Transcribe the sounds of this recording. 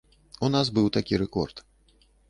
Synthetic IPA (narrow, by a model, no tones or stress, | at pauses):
unasbɨwt̪akʲiɾɛkɔ̰rt̪